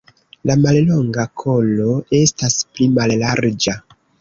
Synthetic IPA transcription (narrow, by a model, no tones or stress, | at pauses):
lamallo̞ŋɡakʰo̞lo̞e̞stasplimallaɾd͡ʒa